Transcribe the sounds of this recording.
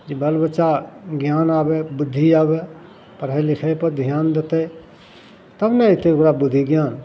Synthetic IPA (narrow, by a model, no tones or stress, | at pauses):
d͡ʒibɐlbət͡ʃaɡjaːnaːbebʊd̪ʱːiaːbe | pəɾelɪkʰəjpəɾd̪ʱijaːnd̪ət̪e | t̪əbnəɪt̪eokɾabʊd̪ʱːiɡjaːn